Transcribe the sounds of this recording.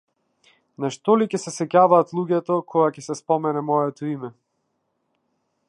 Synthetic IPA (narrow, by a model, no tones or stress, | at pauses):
naʃt̪ɔlicɛsɛsɛcavaːt̪lˠuɟɛt̪ɔkʰɔɡacɛsɛspɔmɛnɛmɔjɛt̪ɔimɛ